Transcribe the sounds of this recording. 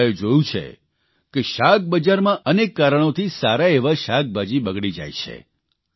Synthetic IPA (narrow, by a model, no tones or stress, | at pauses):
ed͡ʒojũt͡ʃʰḛ | keʃak̚bəd͡ʒaɾmãʔənekːaɾəɽ̃ot̪ʰisaɾaeʋaʃak̚bʱad͡ʒibəɡɽid͡ʒa̰jt͡ʃʰḛ